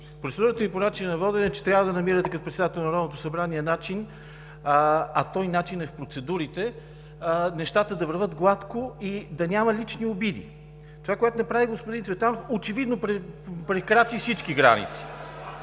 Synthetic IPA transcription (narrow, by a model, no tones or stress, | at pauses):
pɾot̪sɛd̪uɾət̪əniponat͡ʃinnɐvɔd̪ɛnɛt͡ʃɛ̥t̪ɾjavəd̪ɐnɐmiɾət̪ɛkɐt̪opɾɛt̪sɛd̪at̪ɛlˠnɐɾɔd̪not̪o̥sɐbɾaniənat͡ʃin | ɐt̪ɔjnat͡ʃinɛfpɾot̪sɛd̪uɾit̪ɛ | nɛʃt̪at̪əd̪ɐvəɾvɤt̪ɡlˠat̪koid̪ɐnʲamɐlit͡ʃniobid̪ḭ | t̪ovakojɛt̪onɐpɾaviɡospʊd̪int̪vɛt̪anofot͡ʃɛvid̪nopɾɛpɾɛkɾat̪isit͡ʃkiɡɾa̰nḭt̪si̥